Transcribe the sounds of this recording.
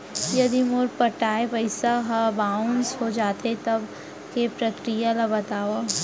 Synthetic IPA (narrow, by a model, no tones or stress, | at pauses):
jɐd̪imʊɾpɐʈaːepɐɪsaɦabaːʊnsɦod͡ʒaːt̪et̪ɐb | kepɾɐkɾijalabɐt̪aːʋa